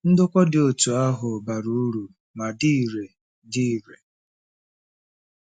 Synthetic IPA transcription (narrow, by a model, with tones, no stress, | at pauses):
n̩˦dʊ˦kʷɔ˦dɪ˨o˨tu˨a˦ɦʊ˨ba˨ɾu˨˦ɾu˨ | ma˨di˦˨ɾe˨ | di˦˨ɾe˨